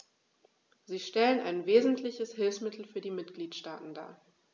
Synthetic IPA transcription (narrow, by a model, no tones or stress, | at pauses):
ziːʃtɛlənaɪnveːzn̩tʰlɪçəshɪlfsmɪtʰl̩fyːɐdiːmɪtɡ̥liːtʃta̰ːtn̩da̰ː